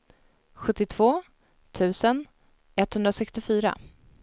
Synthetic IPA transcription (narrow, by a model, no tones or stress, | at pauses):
ɧɵt̪ːɪt̪ʰv̥oː | t̪ʰʉ̟ːsən | ɛt̪hɵnd̪ɾasɛkst̪ɪfyːɾa̰